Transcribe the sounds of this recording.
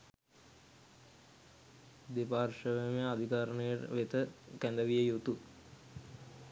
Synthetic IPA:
d̪epaːrʂəʋæmead̪ʱikaːɾənəjərʋet̪əkænd̪əʋijəjut̪u

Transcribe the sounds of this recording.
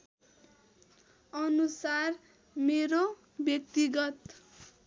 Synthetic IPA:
ʌnusar | meɾo | bjʌk̚t̪iɡʌt̪

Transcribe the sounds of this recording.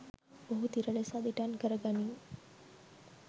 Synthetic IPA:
bəɦut̪iɾəlesad̪iʈankəɾəɡani

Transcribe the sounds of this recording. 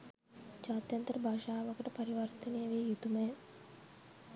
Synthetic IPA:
t͡ʃaːt̪jɐnt̪ɐɾɐbʱaːʂaːʋɐkɐʈɐpɐɾiʋɐrt̪ɐnejɐʋijejut̪ume

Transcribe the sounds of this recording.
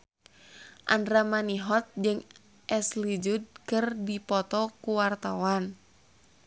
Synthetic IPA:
ʔandɾamaniɦɔt̪̚d͡ʒɨŋ | ʔɛslid͡ʒud̚kɨrdipɔt̪ɔkuwart̪awan

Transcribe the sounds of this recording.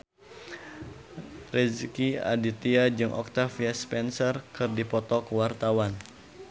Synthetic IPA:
rɛzikia̰dit̪iad͡ʒɨŋʔɔ̰k̚t̪afiaspɛnsərkɨrdipɔt̪ɔkwart̪awan

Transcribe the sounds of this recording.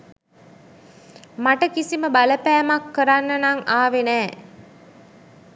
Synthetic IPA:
maʈəkisiməbaləpæːmakːəɾanːənaŋaːʋenɛː

